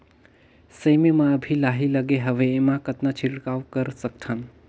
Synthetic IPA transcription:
səjmemãəbʱilaɦiləɡeɦəʋeːmãkət̪nat͡ʃʰiʈkawkəɾsək̚t̪ʰən

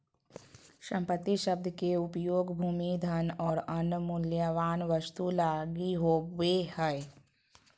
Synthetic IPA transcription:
ʃɐ̃mpət̪ːiʃɐb̚d̪ʱəkeʊpjoːɡbʱuːmid̪ʱənɔːɾɐnmʊljəʋaːnʋəst̪ulaːɡiɦoːʋeːhəe

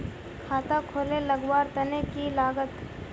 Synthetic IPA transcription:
kʰaːt̪akʰoːleləɡwaːɾt̪ɐnekilaːɡət̪

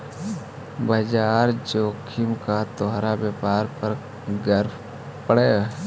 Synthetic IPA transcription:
bəd͡ʒaːɾd͡ʒoːkʰɪmkat̪oːɦɾabjəːpaːɾpəɾ | ɡəɾf | pəɽe

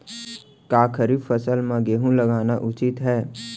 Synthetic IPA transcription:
kaːkʰəɾifəsəlmãɡeɦũlɐɡaːnaʔʊt͡ʃɪt̪ɦɛː

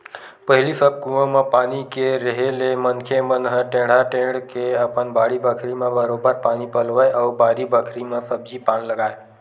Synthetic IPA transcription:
pəɦɪlisəb̚kũə̃mepaːnikeɾəɦelemənkʰemənɦəʈẽɽ̤aʈẽɽkeəpənbaːɽibəkʰɾimẽbəɾobəɾpaːnipəlʋəjʔabaːɾibəkʰɾimesəb̚d͡ʒipaːnləɡaːe

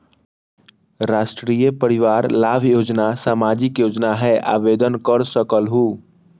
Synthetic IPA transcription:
ɾaːʃʈɾijəpəɾɪʋaːɾlaːbʱjoːd͡ʒnasaːmaːd͡ʒɪkjoːd͡ʒnaɦɛʔa̰ːʋeːd̪ənkəɾsəkəlɦuː

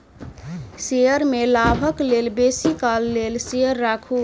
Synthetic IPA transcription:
seəɾmelabʱəklelbesikalːelseəɾːakʰu

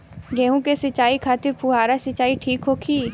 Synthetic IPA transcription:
ɡɛ̃ːɦũkesɐt͡ʃaːikʰaːt̪ɪɾpuɦaːɾasɐt͡ʃaːiʈʰiːkɦoːkʰiː

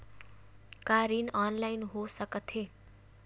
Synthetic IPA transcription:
kaɾinʌnlajnɦosʌkʌt̪ʰe

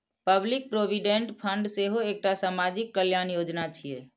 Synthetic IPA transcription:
pəblik̚pɾobiɖẽɳʈpʰəɳɖseɦoek̚ʈasamad͡ʒikːəljanjod͡ʒnat͡ʃʰije

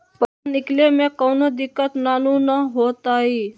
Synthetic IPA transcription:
pəɾanɪklemẽkəːnod̪ɪkːət̪naːnũnəɦoːt̪aːɦiː

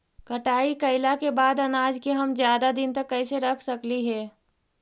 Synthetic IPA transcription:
kəʈaːikɐɪlakebaːd̪ɐnaːd͡ʒkeɦɐmzjaːd̪ad̪ɪnt̪ɐkːəɪseɾɐkʰsəkliɦɛː

